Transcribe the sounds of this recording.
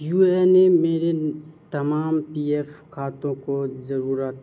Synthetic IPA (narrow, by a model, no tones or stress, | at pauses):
juːenemeːɾet̪ɐmaːmpiːɛfkʰaːt̪õkozɐɾuːɾət̪